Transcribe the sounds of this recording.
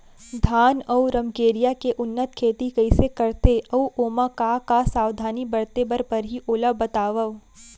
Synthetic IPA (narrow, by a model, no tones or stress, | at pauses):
d̪ʱaːnɐuɾɐmkeːɾijakeʔʊnːət̪̚kʰeːt̪ikɐɪsekɐɾt̪eɐuʔoːmakakasaːʋd̪ʱaːnibɐɾt̪ebɐɾpɐɾɦiʔoːlabɐt̪aːʋəʋ